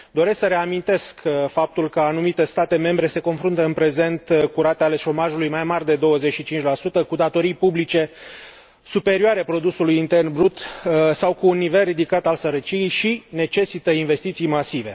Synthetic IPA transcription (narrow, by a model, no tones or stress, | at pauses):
d̪o̞ɾe̞sksəɾe̞amint̪e̞skfap̚t̪ulkəanumit̪e̞st̪at̪e̞me̞mbɾe̞se̞ko̞nfɾunt̪əɨnpɾe̞ze̞nt̪kuɾat̪eale̞ʃo̞maʒulujmajmarʲd̪e̞d̪o̞wəzet͡ʃʃit͡ʃint͡ʃʲlasut̪əkud̪at̪o̞ɾijpublit͡ʃe̞ | supe̞ɾioaɾepɾo̞d̪usulujint̪e̞rnbɾut̪sawkuːnːive̞lrid̪ikat̪alsəɾət͡ʃijejʃine̞t͡ʃe̞sit̪əinve̞st̪it̪sijmasive̞̰